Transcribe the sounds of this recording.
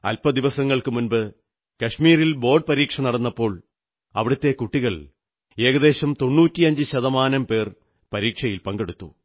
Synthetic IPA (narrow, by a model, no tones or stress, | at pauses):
ɐ̰lpɐd̪iʋɐsɐŋːɐɭkɨmunbɨ | kɐʂmiːrilbo̞ːɖ̚pɐɾiːkʂɐnɐɽɐnːɐpːo̞ːɭ | ɐ̰ʋiɽɐt̪ːe̞kuʈːiɣɐɭ | e̞ːɣɐd̪e̞ːɕɐmt̪o̞nːuːtːiɐɲd͡ʑɨɕɐðɐmaːnɐmpe̞ːr | pɐɾiːkʂɐjilpɐŋɡeɽut̪ːu